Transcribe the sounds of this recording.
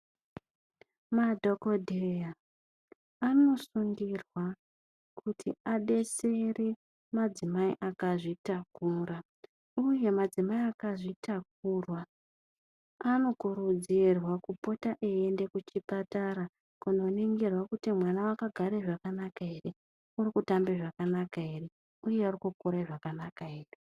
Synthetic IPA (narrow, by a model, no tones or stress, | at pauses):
madʱo̞ko̞dʱeja | ano̞suŋɡirwa | kʰutʰiaɗe̞se̞re | mad͡zimaiʔakaʐitakura | uje̞mad͡zimaiakaʐitak̚uːrwa | ano̞kuɾud͡zirwakupo̞taʔeende̞kut͡ʃipataɾa | kuno̞neŋɡerwakutimwanawakaɡʱaɾe̞ʐakanakae̞re | urikutambeʐakanakae̞re | uje̞arikukoɾaiʐakanakaeːre